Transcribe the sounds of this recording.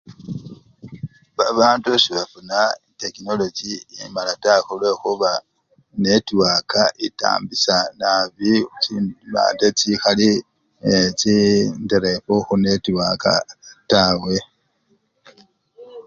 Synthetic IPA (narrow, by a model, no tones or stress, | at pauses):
βaβaːntuʃiβafunaitekino̞lod͡ʒiːmalataxulwe̞xuβa | ne̞tiwaːkaʔita̰ːmbisanaβi | βa̰ːndet͡sixali | t͡ʃindiɾefoxune̞tiwaːka̰tawe̞